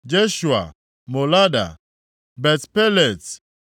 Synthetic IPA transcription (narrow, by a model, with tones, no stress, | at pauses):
d͡ʒe˦ʃu˨a̰˨ | mo˨la˦da̰˨ | bɛ˨tpɛ˦le˨t